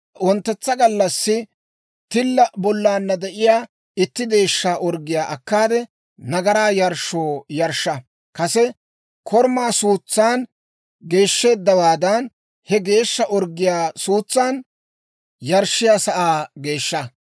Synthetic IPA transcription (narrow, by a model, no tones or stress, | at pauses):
wɔnt̪ːɛt͡sːɐɡɐlːɐsːɪ | t̪ɪlːɐbɔlːaːnːɐd̪ɛʔɪjaː | ɪt̪ːɪd̪e̞ːʃːaːʔɔɾɡɪjaːʔɐkːaːd̪ɛ | nɐɡɐɾaːjɐɾʃːoːjɐɾʃːɐ | kɐsɛ | kʰɔɾmaːsuːt͡sːaːn | ɡe̞ːʃːe̞ːd̪ːɐwaːd̪ɐn | hɛɡe̞ːʃːɐʔɔɾɡːɪjaːsuːt͡sːaːn | jɐɾʃːɪjaːsɐʔaːɡe̞ːʃːɐ